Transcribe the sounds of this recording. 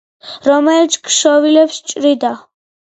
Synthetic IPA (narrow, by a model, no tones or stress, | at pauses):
ɾɔmɛlit̪sʰkʃɔvilɛpst͡ʃʼɾid̪a